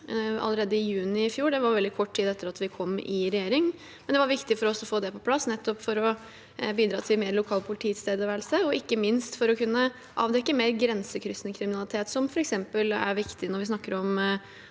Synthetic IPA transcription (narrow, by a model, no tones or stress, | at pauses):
ɑ̰ləɾeːd̪əɪjʉːnɪɪfjuːɖɛʋɑɾʋɛld̪ɪkʰɔʈːt̪ʰiːd̪ɛt̪ːəɾɑt̪ʋɪkʰɔmːɪɾɛjeːɾɪŋ | mɛnd̪ɛʋɑɾʋɪkt̪ɪfɔɾɔsːɔfoːd̪ɛpʰɔpʰlɑsːnɛt̪ːɔpfɔɾɔ | biːd̪ɾɑːt̪ʰɪmeːɾlʊkʰɑːlpʰʊlɪt̪ʰiːt̪st̪ʰeːd̪əʋæːɾlsəɔɪkːəmɪnst̪fɔɾɔkʰʉnːə | ʔɑ̰ːʋd̪ɛkːəmeːɾɡɾɛnsəkʰɾʏst̪nəkʰɾɪmɪnɑlɪt̪ʰeːt̪sɔmfɔɾɛksɛmpəlæ̰ɾʋɪkt̪ɪnɔɾʋɪsnɑkːəɾɔm